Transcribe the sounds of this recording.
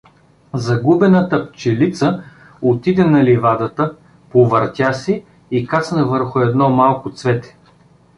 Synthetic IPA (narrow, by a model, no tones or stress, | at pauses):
zɐɡubɛnət̪əpt͡ʃɛlit̪sə | ot̪id̪ɛnɐlivad̪ət̪ə | povɐɾt̪ʲasiː | kat̪snɐvəɾxʊɛd̪nɔmalˠkʊt̪svɛt̪ɛ̥